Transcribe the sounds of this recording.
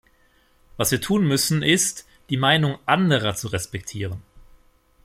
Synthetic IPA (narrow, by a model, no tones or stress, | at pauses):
vasv̥iːɐtʰuːnmʏsn̩ɪst | d̥iːmaɪnʊŋʔandəʁɐt͡suʁɛspɛktʰiːʁən